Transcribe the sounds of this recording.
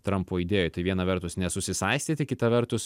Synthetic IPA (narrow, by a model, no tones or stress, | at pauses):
t̪ɾɐmpoːiːd̪ʲeːjot̪ɐɪʋʲiɛnɐʋʲɛɾt̪ʊsnʲɛsʊsʲɪsɐɪsʲt̪ʲiːt̪ʲɪkʲɪt̪ɐʋʲɛɾt̪ʊs